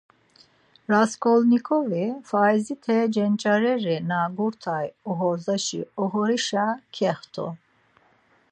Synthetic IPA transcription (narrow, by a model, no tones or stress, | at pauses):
ɾaskʰʼɔlnikʰɔvifaizit̪ʰɛd͡ʒɛnt͡ʃʼaɾɛɾɛnaɡuɾt̪ʰajɔɦɔzaʃḭɔɦɔɾiʃakʰɛχt̪ʰɔ̰